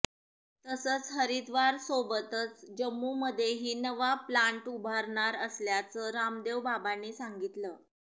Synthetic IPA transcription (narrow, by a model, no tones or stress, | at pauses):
t̪əsət͡sɦəɾid̪ʋaɾsobət̪ət͡sd͡ʑəmːuːməd̪ʱːjeɦiːnəʋaplaɳʈubʱaɾɳaɾəsljat͡səːɾamd̪eʋbabanːiːsaŋɡit̪ləː